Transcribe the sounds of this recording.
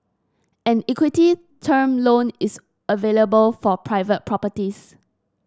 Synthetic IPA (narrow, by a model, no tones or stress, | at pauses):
ɛ̃nikwiti | tʰəmlõnis | əveləbəlfɔpʰɹaɪvət̚pʰɹɔpətis